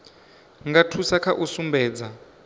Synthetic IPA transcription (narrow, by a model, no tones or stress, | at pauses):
ŋɡatʰusakʰaʔusumbɛːd͡za